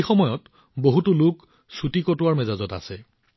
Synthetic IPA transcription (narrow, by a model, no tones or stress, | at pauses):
xɔmɔjɔt | boɦutʊlʊk | sutikɔtʊwaɹmɛzazɔta̰sɛ